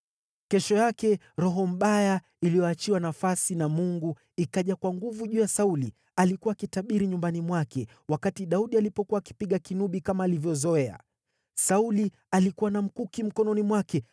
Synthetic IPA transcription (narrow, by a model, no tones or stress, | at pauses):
kɛʃɔjakɛ | ɾɔɦɔm̩ɓaja | ilijɔat͡ʃiwanafasinamuŋɡu | ikaʄakwaŋɡuvuʄuːjasauli | alikuwaːkitaɓiɾiɲumbanimwakɛ | wakatiɗauɗialipɔkuwaːki̥piɠakinuɓikamaːlivjɔzɔɛa̰ | sauli | alikuwanam̩kukim̩kɔnɔnimwakɛ